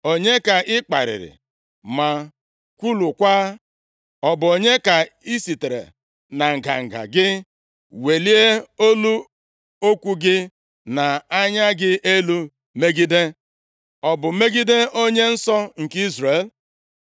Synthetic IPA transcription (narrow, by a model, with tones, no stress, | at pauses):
o˨ɲe˦ka˨ʔɪ˦k͡pa̰˨ɾɪ̰˨ɾɪ̰˨ | ma˨ | kʷu˦lu˨kʷaː˦ | ɔ˨bʊ˨o˨ɲe˦ka˨i˦si˨te˨ɾḛ˨ | na˨ŋ̩˨ɡa̰˨ŋ̩˨ɡa̰˨ɡɪ˦ | we˨li˦e˦o˦lu˦ | o˦kʷu˦ɡɪ˦ | na˨a˦ɲa˦ɡɪ˦ʔe˦lu˦ | me˦ɡi˦de˦ | ɔ˨bʊ˨me˦ɡi˦de˦o˦ɲe˦n̩˦sɔ˦ŋ̩˨ki˦zɾe˨l